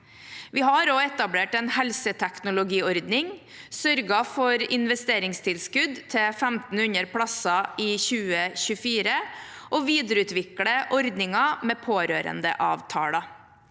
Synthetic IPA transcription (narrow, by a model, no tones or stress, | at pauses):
ʋiːɦɑɾoːɛt̪ɑbleːʈɛnhɛlsət̪ʰæknʊlʊɡiːɔɾd̪nɪŋ | sœɾɡɑfɔɾɪnʋɛst̪eːɾɪŋst̪ʰɪlskʉd̪t̪ʰɛfæmt̪n̩ʉɲəɾpʰɽɑsɑʔiːçʉːəçʉfiːɾə | ʔoːʋiːd̪əɾəʉːt̪ʋɪkɽəʔɔɾd̪nɪŋɑmeːpʰoːɾøːɾə̰nd̪ə̰ʔɑːʋt̪ʰɑ̰ːlɑ